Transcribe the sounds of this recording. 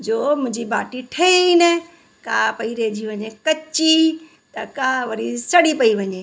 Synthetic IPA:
d͡ʑoːmʊ̃ɦɪ̃ɲd͡ʑiba̰ːʈiʈʰɐinɛ | kaːpɐiɾed͡ʑiʋɐɲekɐt͡ɕi | t̪ɐkaːʋɐɾisɐɽipɐiʋɐɲeː

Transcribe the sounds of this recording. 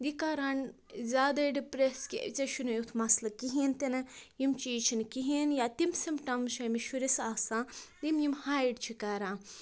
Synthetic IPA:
d̪ikaːɾan | zʲaːd̪ɐɖipɾeskʲḛt͡sɐʃunɐjut̪ʰmɐslɐkiɦiːnt̪enɐjimt͡ʃiːt͡ʃʰinkiɦinjaːt̪imsimpʈɐmʃɐmiʃuɾisaːsãːd̪imjimhaːjɖt͡ʃʰikaɾãː

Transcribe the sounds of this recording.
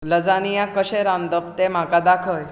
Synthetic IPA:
ləd͡zanijãkəɕeɾãnd̪əpt̪em̤akad̪akʰəj

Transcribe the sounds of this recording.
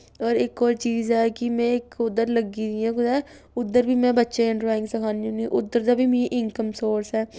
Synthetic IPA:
ɔːɾɪkɔːɾt͡ʃiːzɛːkɪmɛ̃ːɪkʊd̪ːəɾləɡiːd̪ɪjãːkʊd̪ɛː | ʊd̪ːəɾbiːmɛ̃ːbətːʃeːɪ̃ɳɖɾɔːɪ̃ŋɡsəkʰaːniũniːʔʊd̪ːəɾd̪aːbʱiːmĩʔɪŋkəmsoːɾsɛː

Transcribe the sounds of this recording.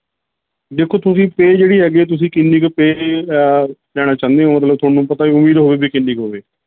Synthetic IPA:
d̪eːkʰːoːt̪ʊsĩːpeːd͡ʒeːɽiːɦɛːɡeeːt̪̬ʊsĩːkɪnːikpeː | lɛːɽ̃aːt͡ʃãːnd̪eɛ̃oːmət̪ləb̚t̪ʰoːɽnũːpət̪aːiːʊmiːd̪ɦoːʋeːbʱiːkɪnːiːkɦoːʋeː

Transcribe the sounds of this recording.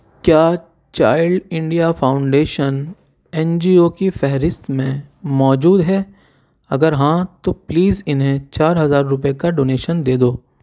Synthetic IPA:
kjaː | t͡ʃaːɪɭɖɪ̃ɳɖijafaːʊ̃ɳɖeːʃən | ɛ̃nd͡ʒiːokifɛɦɾɪst̪mẽmɔːd͡ʒuːd̪ɦɛː | ɐɡəɾɦãt̪opliːzɪnɦẽt͡ʃaːɾɦɐzaːɾːʊp̬ekaɖoːneːʃənd̪eːd̪oː

